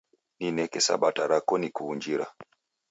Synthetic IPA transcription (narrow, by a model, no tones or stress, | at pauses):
ninɛkɛsa̰ɓataɾakɔnikuuɲd͡ʒiɾa̰